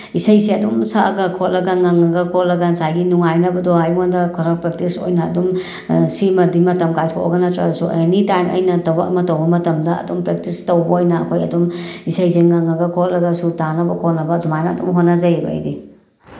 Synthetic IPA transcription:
isɐjseɐdumsaɡɐkʰot̚lɐɡɐŋaŋɐɡɐkʰot̚lɐɡɐnsajɡinuŋajnɐbɐdoajmŋandɐkʰɔɾak̚pɾek̚tiso̰jnɐːdum | simɐdimɐtɐmkajskʰoo̰ɡɐnɐtɾa̰dɐsuɐ̰jnitajmʔɐ̰jnɐtɐwbɐkɐmɐtɐwbɐmɐtɐmdɐɐ̰dumpɾek̚tistɐwbɐojnɐɐ̰kʰojɐdumisɐjseŋaŋɐɡɐkʰot̚lɐɡɐsutanɐbɐkʰot̚nɐbɐːdumajnɐːdumɦonːɐzɐjbɐɐ̰jdi

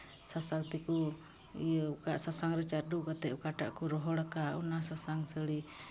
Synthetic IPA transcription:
sasaŋt̪iku | ijəukaʔsasaŋɾɛt͡ʃardukat̪ɛukaʈaʔkuɾɔɦɔlakaṵnasasaŋsəli

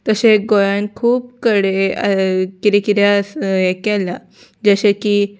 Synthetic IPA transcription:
t̪əseɡojankʰuːp̚kəɽeə̰kiɾekit̪jasekɛla | d͡ʑəɕekiː

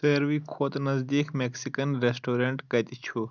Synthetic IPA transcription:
səɾʋiːkʰoːt̪nɐzd̪iːkmeksikənɾesʈoːɾeɳʈɡɐt̪it͡ʃʰu

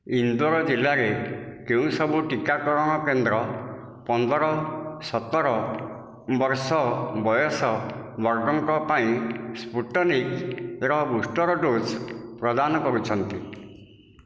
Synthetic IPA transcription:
ind̪ɔɾɔd͡ʒilːaɾekeũsɔbuʈikakɔɾɔɽ̃ɔkend̪ɾɔ | pɔnd̪ʱɔɾɔsɔt̪ɔɾɔ | bɔɾsɔbɔjɔsɔbɔɾɡɔŋkɔpaĩspuʈːɔnikɾɔbusʈɔɾɔɖospɾɔd̪anɔkɔɾut͡ʃʰɔnt̪i

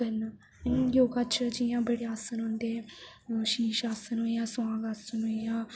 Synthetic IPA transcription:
ən | joːɡaːt͡ʃʰd͡ʒijãːbəɽeːaːsənɦõːnd̪eːʃiːʃaːsənɦojaːsãːɡaːsənɦoijaː

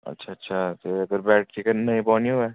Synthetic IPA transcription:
ɐ̰tːʃʰaɐtːʃʰat̪oɐɡəɾbɛːʈ̚t͡ʃɪkənːɐĩpɔːnioɛː

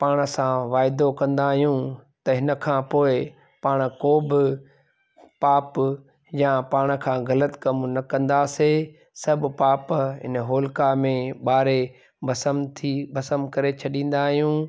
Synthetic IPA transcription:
paːɽ̃̆sãʋaːɪd̪okɐ̃nd̪aːɦijũt̪ɐɦɪnə̆kʰãːpoːɪ | paːɽ̃koːbɪ | paːp | jãpaːɽ̃̆kʰãːɣɐlət̪kɐmnɐkɐ̃nd̪aseː | sɐbpaːpɦɪ̰nɦoːlkamẽɓaːɾe | ɐsəmt̪ʰibɐsəmkɐɾet͡ɕʰɐɗĩːn̆d̪aːɦijũː

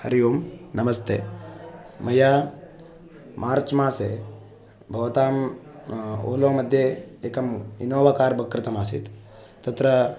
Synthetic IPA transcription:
hɐɾijoːmnɐmɐst̪ʰeː | mɐjaː | maːɾt͡ʃmaːse | bʱɐʋɐt̪aːm | o̰ːloːmɐd̪ʱjeeːkɐmḭnoːʋakaːɾbɐkɾɐt̪ɐmaːsḭt̪ | t̪ɐt̪ɾɐ

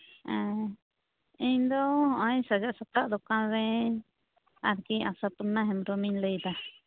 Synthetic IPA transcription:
ɛ | iɲd̪ɔhɔ̃ʔãjsad͡ʒaʔsakaʔd̪ɔkanɾɛɲ | aɾkiʔa̰sat̪unːaɦɛmɾɔmiɲləjd̪a

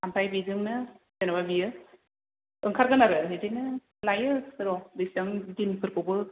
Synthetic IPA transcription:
ampʰajbizɯŋnɯ | senababijɯ | ɯŋkʰaɾɡɯnaɾɯnɦedinɯ | lajɯɾɔbɯsɯŋdinpʰɯɾkʰɯbɯ

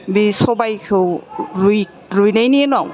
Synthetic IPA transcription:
bisɔbajkʰɯwɾuj | ɾujnajnienuaw

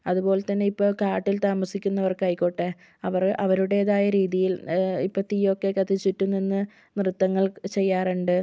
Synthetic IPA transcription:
ɐðupo̞ːlet̪ːɐnːe̞ipːoːkaːʈːilt̪aːmɐsikʲːunːɐʋɐrkɐjkʲːo̞ʈːe | ɐʋɐrʔɐʋɐɾuɽeːðaːjɐɾiːðijilipːɐt̪ijokːe̞kɐt̪ʰːit͡ɕːiʈːuninːɨ | mrɨt̪ːɐŋːɐɭt͡ɕe̞jːaːruɳɖɨ

